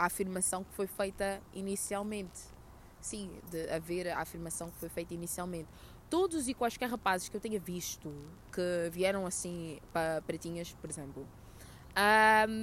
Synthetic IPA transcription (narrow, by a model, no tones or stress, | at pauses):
aafiɾmɐsɐ̃w̃kɨ̥fojfejt̪ɐinisialˠmẽnt̪ | sĩd̪ɨʔɐveɾa̰afiɾmɐsɐ̃w̃kfojfejt̪ɐinisialˠmẽnt̪ | t̪od̪zuzikwajʃkɛɾʁɐpazɨʃkewt̪ɛɲɐviʃt̪u | kɨviɛɾɐ̃w̃ɐsĩpɐpɾɐt̪iɲɐʃpɔɾizẽmplˠu | a